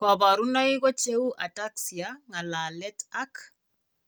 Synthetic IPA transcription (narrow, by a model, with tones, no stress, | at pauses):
ka˨ba˨ɾu˦na˦i˦kɔ˦t͡ʃe˦u˦ʔa˨ta˦ksi˨a˦ŋa˨la˨lɛ˦ta˦k